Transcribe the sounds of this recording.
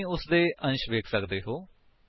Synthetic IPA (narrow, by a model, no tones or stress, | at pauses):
ĩːʊsd̪eːʔə̃nʃʋeːkʰsəkd̪eːɦoː